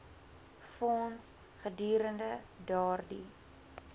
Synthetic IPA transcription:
fɔns | χədyːɾəndə | dɑːrdḭ

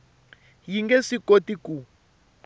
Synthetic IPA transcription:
jiŋɡɛsikotiku

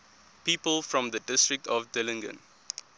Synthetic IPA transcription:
piːpəlfɹɔ̃mðədɪstɹɪk̚tʰɔvdɪlɪ̃ŋɡə̰̃n

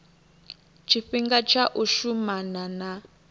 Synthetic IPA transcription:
t͡ʃʰiɸiŋɡat͡ʃʰaʔuʃumanana

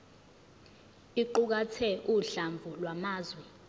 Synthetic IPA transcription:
iǃuk̬atʰɛʔuɬaɱvʱulwamaːzwɛ

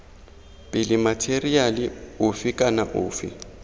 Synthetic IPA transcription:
pʼɪlɪmatʰerialɪʊfɪkʼanaʔʊ̰ːfɪ̰

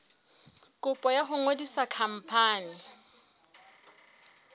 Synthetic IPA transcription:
kʼʊpʼɔjaχʊŋodisakʰam̩pʰaːnɪ

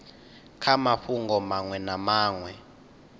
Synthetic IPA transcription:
kʰamaɸuŋɡɔmaŋwɛnamaːŋwɛ

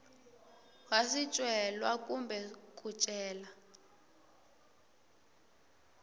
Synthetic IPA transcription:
ɣasit͡ʃʼwɛlwakʼumbɛk̬ʼut͡ʃʼɛːla

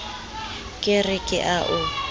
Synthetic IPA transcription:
kʼɪrɪkʼɪ̰ʔaʔʊ

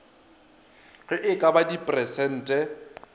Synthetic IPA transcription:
rɪʔɪkʼabadipʼrɛsɛn̩ːtʼɛ

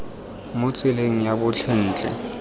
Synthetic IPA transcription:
mʊt͡sʼɪleŋ̩jabʊt͡ɬʰɛn̩ːt͡ɬʼɛ̰

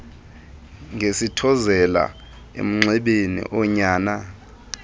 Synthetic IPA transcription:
ŋʱesitʰɔzɛla̰ | ḛm̩ŋ͡ǀɛɓenḭʔɔɲaːna

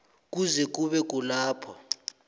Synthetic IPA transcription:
k̬ʼuzɛk̬ʼuɓɛk̬ʼulaːpʰɔ

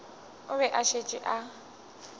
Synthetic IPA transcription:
ʊβɛʔaʃet͡ʃʼɪʔa

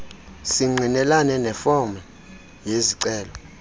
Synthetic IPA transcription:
siŋ͡ǀʱinɛlanɛnɛfɔma | jeziǀɛːlɔ

